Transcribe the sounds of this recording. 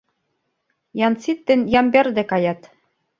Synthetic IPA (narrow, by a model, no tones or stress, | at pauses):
jɑnsit̪ːɘ̆njɑmberd̪ɘ̆kɑjɑt̪